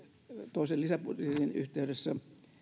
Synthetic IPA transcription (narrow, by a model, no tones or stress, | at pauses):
t̪oˑisellisæput̪eriny̰ht̪eydesːæ